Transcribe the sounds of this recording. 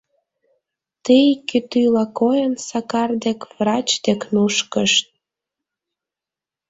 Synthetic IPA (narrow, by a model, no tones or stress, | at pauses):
t̪ijkyt̪ylɑkojənsɑkɑrd̪ekvrɑt͡ɕd̪eknuʃkəʃt̪̚